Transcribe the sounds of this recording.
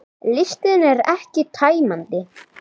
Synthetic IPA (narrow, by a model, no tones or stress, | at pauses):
lɪst̪ɪðnɛɾɛhcɪt̪ʰaːjmant̪ɪ